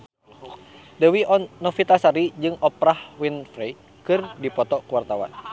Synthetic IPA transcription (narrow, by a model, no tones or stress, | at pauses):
dəwiɔːɔfit̪asaɾid͡ʒɨŋɔpɾahwinfɾɛj | kɨrdipɔt̪ɔkuwart̪awa̰n